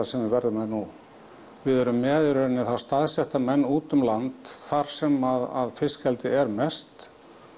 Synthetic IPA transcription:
asɛmvɪvɛɾðʏmːɛðnu | vɪðɛɾʏmːɛːðʏɾɪɾɪnːɪθast̪aðsjɛht̪amɛnːuːt̪ʏmlant̪θaɾ̥sɛmaða̰ðfɪscɛlt̪ɪɛɾmɛst̪

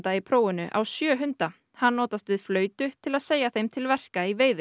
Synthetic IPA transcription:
t̪aipʰɾoːwʏnʏʔa̰wsjœːɦʏnt̪a | hanːɔːt̪ast̪vɪðflœːɥt̪ʏt̪ʰɪlaðseːjaθejmt̪ʰɪlvɛr̥kaiveːjðɪ

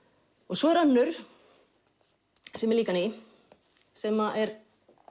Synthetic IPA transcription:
ɔɣsɔɛɾ̥anːʏɾ̥ | sɛmɛɾliːkanej | sɛmaʔɛɾ

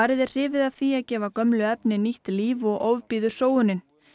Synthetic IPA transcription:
aɾɪðɪɾ̥r̥ɪːvɪðaθiaðcɛːvakœmlʏɛpnɪniht̪liːvɔɣʔoːwvpiːðʏsoːwʏnɪn

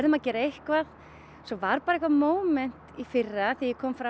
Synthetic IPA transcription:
ɛɾðʏmaðcɛːɾehkvað | sɔvaɾpaːɾaehkvamoːwmɛn̥t̪ifɪrːaθijɪkʰɔːmfɾa

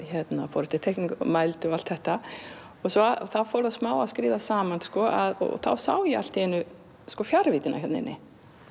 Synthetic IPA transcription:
çɛt̪nafɔːɾɪ̥t̪ʰɪ̥t̪ʰɛhkniŋkmajlt̪ʏɔal̥t̪θɛht̪a | ɔɣsɔaθawfowɾðasmaːwaðskɾiːðasaːmanskɔːʔaðɔ̰θa̰wsa̰ːwjɪal̥t̪ɛnʏ | skɔfjaɾvɪt̪ɪna̰hjɛt̪nɪ̰nːɪ̰

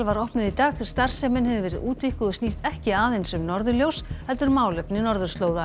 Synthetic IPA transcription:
lvaɾɔhpnʏðit̪aːɣst̪aɾ̥sɛmɪnɦɛvʏvɛːɾɪ̰ðuːt̪vihkʏðʏsniːst̪ɛhcɪaːðejnsʏmnɔɾðʏljowshɛlt̪ʏɾmaːwlɛpnɪnɔɾðʏɾ̥st̪loːwða

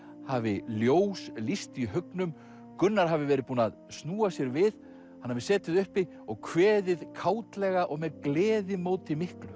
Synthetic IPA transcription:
havɪljoːwslist̪iɦœknʏm | kʏnːaɾ̥ɦavɪvɛːɾɪðpuːnaðsnuːasjɛɾvɪð | hanːavɪsɛːt̪ɪðʏhpɪ | ɔɣkʰvɛːðɪðkʰaːwt̪lɛɣaʔɔɣmɛðklɛːðɪmoːwt̪ɪmɪhklʏ

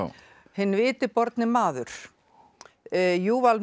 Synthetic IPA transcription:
hɪnːvɪːt̪ɪpɔɾt̪nɪmaːðʏɾ̥ | juːval

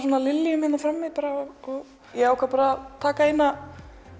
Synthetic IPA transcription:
sɔːnalɪlːjʏmhɪnafɾamːɪðpaːɾaɔɔɣ | jɛɣawkvaɾpaɾat̪ʰaːkaejna

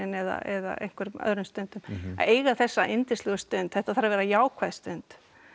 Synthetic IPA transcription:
ɪnɛða̰ʔɛða̰ʔḛjŋ̥kʰvɛɾmœ̰ðɾʏmst̪œnt̪ʏma̰eːjɣaθɛsːaʔent̪ɪslɛɣʏst̪ʏnt̪θɛht̪aθaɾavɛːɾajaːwkʰvaðst̪ʏnt̪

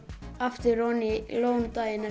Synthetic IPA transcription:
aft̪ʏɾɔnɪlownt̪ajɪna

